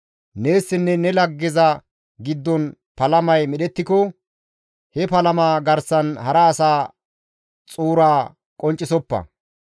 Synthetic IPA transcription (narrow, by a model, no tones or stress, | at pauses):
neːsːɪnːɛnɛlɐɡːɪzɐ | ɡɪd̪ːɔnpɐlɐmɐjmɛɗɛt̪ːɪkɔ | hɛpɐlɐmaːɡɐɾsɐnhɐɾɐːsaː | t͡sʼuːɾaː | kʼɔnt͡ʃʼːɪsɔpːɐ̰